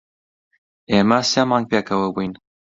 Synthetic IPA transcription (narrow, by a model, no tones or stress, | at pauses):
eːmɐsemɑːŋɡ̚peːkʰɐwɐbujn